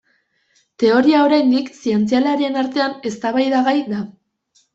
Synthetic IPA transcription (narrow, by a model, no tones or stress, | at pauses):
t̪e̞o̞ɾiao̞ɾajnd̪iksie̞nt͡sialaɾie̞naɾt̪e̞ane̞st̪aβajðaɣajd̪a